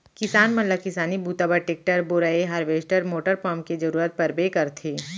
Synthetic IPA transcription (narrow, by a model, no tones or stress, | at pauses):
kɪsaːnmɐnlːakɪsaːnibʱuːt̪abaʈek̚ʈəɾbʊɾaeɦaɾʋeːsʈəɾmoːʈəɾpɔ̃ːmked͡ʒɐɾuːɾət̪̚pɐɾbeːkɐɾt̪ʰeː